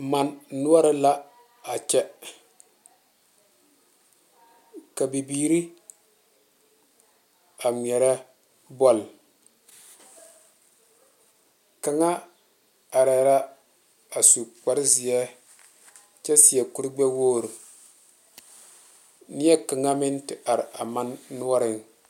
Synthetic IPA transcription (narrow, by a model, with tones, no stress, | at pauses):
ma˨nː˨ʊ˦a˦ɾɪ˦la˦ | a˨t͡ʃɛ˦ | ka˨bi˨biː˨ɾi˦ | a˨m˨ɛ˨ɾɛ˦ | bɔ˨l | ka˨ŋa˦ | a˨ɾɛ˨ɾa˦ | a˨su˨k͡pa˨˦ɾɪ˦zi˨ɛ˦ | t͡ʃɛ˦si˨ɛ˨ku˨ɾɡ͡bɛ˦woː˦˨ɾ | nɪ˦ɛ˦ka˨ŋa˦mɪ˦ntɪ˨ʔa˨ɾɪ˨a̰˨ma˦nːu˦ɔ˦ɾɪ˦ŋ